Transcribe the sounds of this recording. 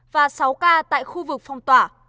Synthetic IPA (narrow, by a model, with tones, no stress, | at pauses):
vaː˨˩sa˨˦wkaː˧t̪a̰ː˧˨jxu˧vɨ˨˩k̚fa˧wŋ͡mt̪waː˧˩